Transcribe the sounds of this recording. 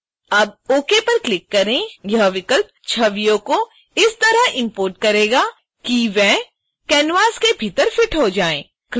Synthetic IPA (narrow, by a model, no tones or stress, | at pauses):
ɐb̚oːkepɐɾklɪkːɐɾẽjɐɦʋɪkəlp̚t͡ʃʰɐʋijõko | ɪst̪ɐɾaɦɪ̃mpoːɾʈ̚kɐɾeːɡaː | kiʋɛ̃ɦ | kɛːnʋaːskebʱit̪əɾfɪʈɦod͡ʒaːḛ̃ː | k